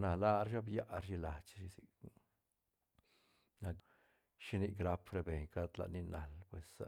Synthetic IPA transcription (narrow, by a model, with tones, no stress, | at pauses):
na˨la˦ɾa˦bja˦ʔɾʃi˧la˨t͡ʃʃi˧si˨k | na˧k | ʃi˦ni˧ɡɾa˧pɾe˧be˨ɲka˦d̪la̰˨ni˧na˨lpwe˨sa